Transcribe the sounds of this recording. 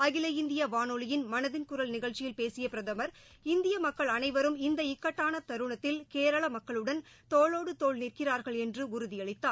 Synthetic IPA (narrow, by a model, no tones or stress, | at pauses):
ɐɣɪlɐjɪnd̪ɪjɐʋaːnɔɭɪjɪnmɐnɐðɪnkʊɾɐlnɪɣɐɭt͡ʃɪjɪlpeːsɪjɐpɪɾɐðɐmɐɾ | ɪnd̪ɪjɐmɐkːɐɭɐnɐɪʋɐɾɯmɪnd̪ɐɪkːɐʈːaːnɐt̪ɐɾɯɳɐt̪ːɪlkeːɾɐɭɐmɐkːɐɭɯɽɐn | t̪oːɭoːɽɯt̪oːɭniːrkɪraːɾɣɐɭɛndrɯʊɾʊðɪjɐɭɪt̪ːaː